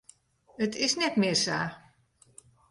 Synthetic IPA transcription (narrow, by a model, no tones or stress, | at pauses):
ətʰɪsnɛtmɪːrsaː